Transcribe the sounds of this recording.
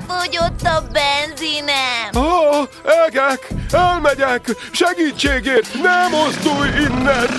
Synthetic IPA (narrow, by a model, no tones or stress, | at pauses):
foɟot̪ːɒbɛnzinɛ | ɛɡɛkɛlmɛɟɛk | ʃɛɡiːt͡ʃːeːɡeːrt̪nɛmost̪ujinːɛn